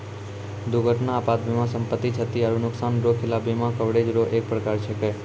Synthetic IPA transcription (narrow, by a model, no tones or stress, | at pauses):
d̪uɡʱəʈnaːpat̪mimãsəmpət̪ːit͡ʃʰət̪iaɾunʊksanɾokʰelabemãkəʋɽed͡ʒɾoʔek̚pɾəkaɾt͡ʃʰeke